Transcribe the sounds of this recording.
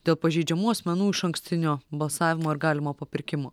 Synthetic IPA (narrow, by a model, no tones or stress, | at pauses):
d̪ʲeːlˠpɐʒʲɛɪd͡ʒʲɛmuːɐsʲmʲɛnuːɪʃɐŋksʲt̪ʲɪnʲoːbɐlˠsɑːʋʲɪmoːɪɾɡɑːlʲɪmoːpɐpʲɪɾʲkʲɪmoː